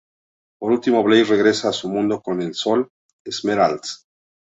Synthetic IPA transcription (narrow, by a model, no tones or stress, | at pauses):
poɾult̪imoβlejreɣɾesaːsumũnd̪o̞ko̞nelsol | ezmeɾalt̪s